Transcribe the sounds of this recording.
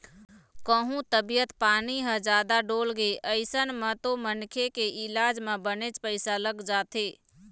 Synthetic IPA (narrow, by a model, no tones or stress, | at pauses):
kəɦũt̪əbijət̪paːniɦə̃d͡ʒaːd̪aɖoːlɡeʔəɪsənmə̃t̪omənkʰekeʔɪlaːd͡ʒmẽbənet͡ʃpəɪsaləɡd͡ʒaːt̪ʰeː